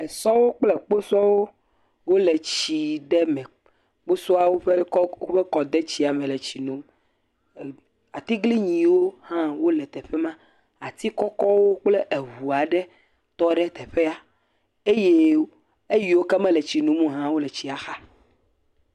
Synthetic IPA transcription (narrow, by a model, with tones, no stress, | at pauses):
ɛ˨sɔ˦wo˦k͡ple˦˨k͡po˦sɔ˦wo˦ | wo˦le˨t͡ɕi˨ɖɛ˦mɛ̃˨ | k͡po˦sɔ˦a˦wo˦ɸe˦o˦ɸe˦kɔ˨d̪e˦t͡ɕi˨˦a˨mɛ̃˨le˨t͡ɕi˨nũ˨m˨ | a˨t̪i˦ɡli˦ɲĩ˨wo˦hã˦wo˦lɛ˨t̪ɛ˨ɸɛ˦mã˦ | a˨t̪i˦kɔ˦kɔ˦wo˦k͡ple˦ʔe˨ɦu˨a˨ɖɛ˦ | t̪ɔ˦ɖɛ˦t̪ɛ˨ɸe˦a˦ | e˦je˦ | e˦ji˨wo˦kɛ˦mɛ̃˦le˨t͡ɕi˨nũ˨mũ˦ɦã˦wo˦le˨t͡ɕi˨a˨xa˦